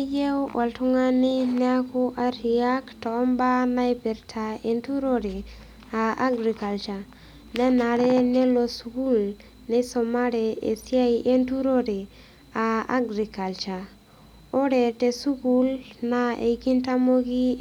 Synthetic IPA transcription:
je˦wwʔa˨ltu˦ŋa˦ni˦ne˦a˦ku˦ʔa˦ɾi˨a˦ktoː˨˦mba˦na˦jbe˨ɾtʰa˨e˨ntu˦ɾo˦ɾe˨ | a˨a̰˦ɡɾi˨ka˨lt͡ʃa˨ | ne˦na˨ɾe˦ne˦lo˨su˨ɡu˦l | ne˦so˨ma˦ɾe˨e˨si˦a˦iʔe˦ntu˦ɾo˦ɾe˨ | a̰ː˨˦ɡɾi˨ka˨lt͡ʃa˨ | o˦ɾe˨te˨su˦ɡu˦lna˦ḛ˨ki˦nta˦mo˦ɡi˦

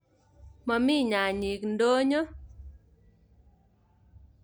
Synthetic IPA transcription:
ma˨mɪ˦ɲa˨ɲi˨kndo˦ɲɔ˦

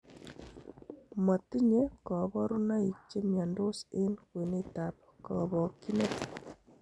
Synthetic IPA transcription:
ma˨ti˦ɲe˦kɔ˨βɔ˦ɾu˦na˦i˨k̚t͡ʃe˦mja˨ndo˦se˦nkwe˨ne˦tap̚ | kɔ̰˨βɔ˨ki˦ne˦t

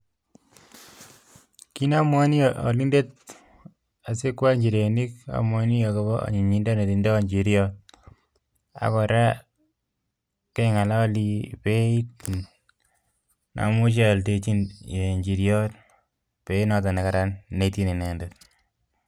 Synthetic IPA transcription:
ki˦na˦mwa˦ni˦jʔɔ˨li˦nde˦t̚ | a˨se˦kwa˦ɲd͡ʒi˨ɾe˨ni˦ka̰˨mwɔ˦ni˦jo˨kɔ˦βɔ˦a̰˨ɲi˨ɲi˦nda˦ne˨ti˨ndɔ˦ɲd͡ʒi˨ɾjɔt̚ | a̰˨kɔ˨ɾa˦ | ke˦ŋa˨la˦ɔ˦li˦pe˦it | na̰˨mu˦ʃ̬e˦˨lte˦t͡ʃi˦nje˨ɲd͡ʒi˨ɾjɔ˦t | pe˦i˦nɔ˦t̬a˨ne˨kaɾa˦nːe˨ti˦ni˨nɛ˨ndet

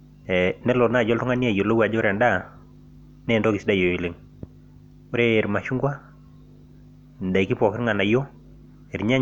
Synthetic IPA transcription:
ɛ˨nɛ˦lo˨na˦˨d͡ʒɔ˦ltɔ˦ŋa˦ni˦a˦˨jo˨lo˦wa˨d͡ʒɔ˦ɾa˨nda˦˨ | nɛ˦˨ndɔ˦ki˨sda˦jo˨i˨le˦ŋ | o˦ɾe˦˨ɾma˨ʃu˦ŋɡwa˦ | n˨da˨i˨ki˦pɔ˨kɪ˦ɾŋa˨na˨jo˦ | e˨ɾɲa˦

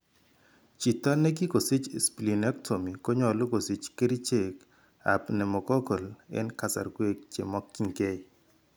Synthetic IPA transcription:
t͡ʃi˨tɔ˦nɛ˦ɡi˦ko˨sɪ˦t͡ʃspli˨nɛ˦ktʰo˨mi˨ko˦ɲɔ˨lʊ˦ko˨sɪ˨t͡ʃke˦ɾi˦t͡ʃe˨k | a̰˨pnɛ˨mɔ˨kɔ˦ko˨lɛ̰˦nka˨sa̰˨ɾɡwe˦k̚t͡ʃḛ˨mɔ˦kːi˦ŋɡe˦j

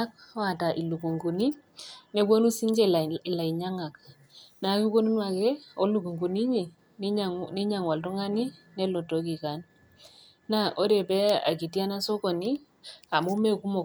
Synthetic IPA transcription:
a˦k̚wa˨ta˨ʔi˨lu˨ku˨ŋɡu˨ni˦ | ne˨˦ko˦nu˦si˦ɲd͡ʒe˦lla˨i˨ɲa˦ŋa˨k | na˨˦ki˦ko˦nu˦nwa˨kɛ˦o˦lu˦˨ku˨ŋɡu˨ni˦ɲi˨˦ | ni˦ɲa˨ŋwa˨lto˦ŋa˦ni˦nɛ˦lo˨to˨ki˨ka˨˦nː | a˦ʔo˦ɾe˨pɛ˦a̰˨ki˨ti˦a˦na˦so˦kɔ˨ni˦ | a˨mu˦me˦ku˦mo˨

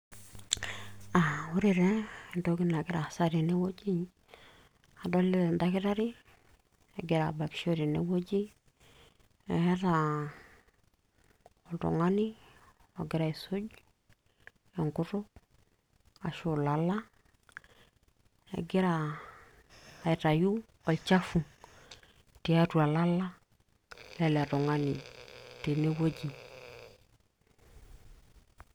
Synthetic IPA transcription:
a˨wu˦ɾi˦˨ɾe˦˨nto˦ki˦na˨ɡi˦ɾa˨sa˦ɾi˨ne˦wo˦d͡ʒi˦ɲ | a˨do˦lːe˦˨nda˦ki˦ta˦ɾi˦ | e˨ɡi˨ɾa̰˨ba˨kʃo˦ɾi˨nḛ˨wo˦d͡ʒi˦ | ḛ˨he˦ta˨ | o˨tṵ˨ŋa˦ni˦ | o˨ɡi˦ɾa˨i˨su˦ɟ | e˨ŋkʊ˦tʊ˦ | a˨ʃo˨la˨la˦ | ḛ˨ɡi˦ɾa˨ | i˨ta˨ju˦ | o˨lt͡ʃa˦fu˨ | ti˨a˦tu˨a˨la˦la˦ | le˦le˨a˨to˨ŋa˦ni˨te˨ne˦wo˦ɟi˨

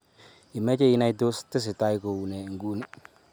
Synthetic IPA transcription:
i˨me˦t͡ʃe˦i˦na˦jdo˦ste˦s̬i˨ta˦i˦ko˨u˨ne˨ŋ˨ɡu˦ni˨

